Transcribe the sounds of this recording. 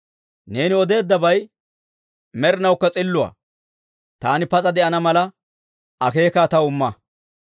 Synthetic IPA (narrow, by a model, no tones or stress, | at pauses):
ne̞ːnɪɔd̪e̞ːd̪ːɐbɐj | mɛɾɪnɐwkːɐt͡sʼɪlːʊɐ̰ː | t̪aːnɪpɐt͡sʼɐd̪ɛʔɐnɐmɐlɐ | ʔɐke̞ːkat̪ɐwʊmːɐ